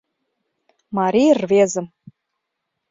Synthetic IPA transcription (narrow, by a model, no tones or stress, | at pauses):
mɑɾʲijərvezə̆m